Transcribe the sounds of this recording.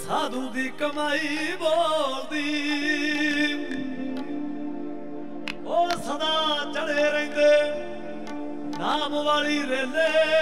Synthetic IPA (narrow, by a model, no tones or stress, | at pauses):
saːd̪ũːd̪iːkəmaːiːboːld̪iː | oːnsəd̪aːt͡ʃəɽeːɾəĩːnd̪eː | naːmʋaːliːɾeːleː